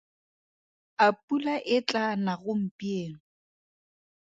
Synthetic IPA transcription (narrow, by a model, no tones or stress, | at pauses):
apʼulaʔɪt͡ɬʼanaɣʊm̩pʼieːŋ̩